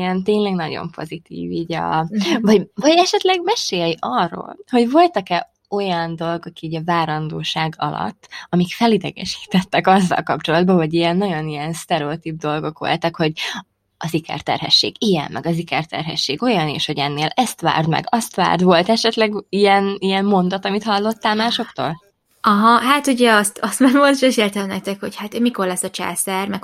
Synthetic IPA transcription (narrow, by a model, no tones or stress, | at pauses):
ɛnt̪eːɲlɛɡnɒɟo̞̰mpo̞̰zit̪ḭːviːɟɒ̰vɒvɒɟɛʃɛt̪lɛɡmɛʃeːjɛjʔɒrːo̰ːlho̞ɟvo̞lt̪ɒkɛ | o̞jɒnd̪o̞lɡɒkiːɟɒvaːɾɒnd̪oːʃaːɡɒ̰lɒ̰t̪ːɒmikfɛlid̪ɛɡɛ̰ʃi̥ːt̪ɛt̪ːɛkɒzːɒ̰lkɒpt͡ʃo̞lɒd̪bɒɦoɟijɛnːɒɟo̞nijɛnst̪ɛɾɛot̪ib̚d̪o̞lɡo̞kʋo̞̰lt̪ɒkho̞ɟ | ɒzikɛ̰rt̪ɛ̰rɦɛ̰ʃːḛːɡijɛ̰mmːʔɛɡɒzikɛrt̪ɛ̰rɦɛ̰ʃːeːɡo̞jɒneːʃho̞ɟɛnːeːlɛst̪ʋa̰ːrd̪mɛ̰ɡɒst̪ʋa̰ːrd̪ʋo̞lt̪ɛʃɛt̪lɛɡijɛnijɛmːo̞nd̪ɒt̪ɒmit̪hɒlːo̞t̪ːaːlmaːʃo̞kt̪oːl | ɒɦɒɦat̪uɟɛɒst̪ɒst̪maolt̪ʃɛʃert̪ɛmnɛk̚t̪ɛkhochaːt̪ːmiko̞rlɛsːɒt͡ʃa̰ːsɛrmɛk